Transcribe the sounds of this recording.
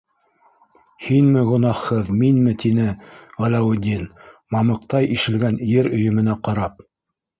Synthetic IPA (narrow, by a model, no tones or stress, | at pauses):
hinmɘʁŏnɑχhɤðminmɘt̪inɘʁælæwɘ̆d̪ʲinmɑmɤ̆qt̪ɑjʔiʃɘ̆lɡænjɘɾɵ̆jɵ̆mɘ̆næqɑɾɑp̚